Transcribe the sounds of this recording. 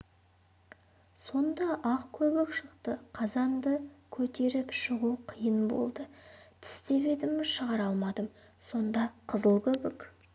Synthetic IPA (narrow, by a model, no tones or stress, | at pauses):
so̞nd̪ɑʔɑqkʲʰɵbɪkʃəqt̪əqʰɑzɑnd̪əkʲʰɵt̪e̞ɾɪpʃəʁuqʰijənbo̰lˠd̪ət̪ʰɪ̥st̪e̞βe̞d̪ɪmɪzʃəʁɑɾɑlˠmɑd̪əm | so̞nd̪ɑqʰəzəlˠkʲʰɵbɪk